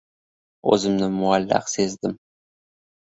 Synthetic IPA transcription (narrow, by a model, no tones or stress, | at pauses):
ɵ̰zɪmnɪmʊalːa̰qsezd̪ɪm